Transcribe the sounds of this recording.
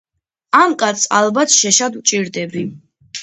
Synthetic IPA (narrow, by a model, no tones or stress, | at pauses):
amkʼat̪sa̰lˠbat̪ʰʃɛʃad̪ut͡ʃʼiɾd̪ɛbi